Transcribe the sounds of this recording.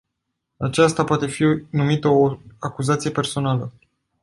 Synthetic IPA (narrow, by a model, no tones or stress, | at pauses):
at͡ʃast̪apoat̪e̞finumit̪əoakuzat̪sije̞pe̞rso̞nalə